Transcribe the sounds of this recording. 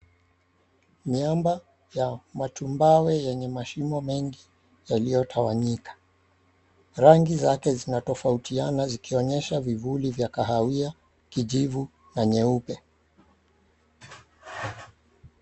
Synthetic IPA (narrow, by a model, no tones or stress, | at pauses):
miamba | jamatumbawɛjɛɲɛmaʃimɔmɛŋɡi | jalijɔtʰawaɲikḁ | ɾaŋɡizakɛzinatɔfautʰianazikiɔɲɛʃavivulivjakaɦawia | kiʄivu | naɲɛupɛ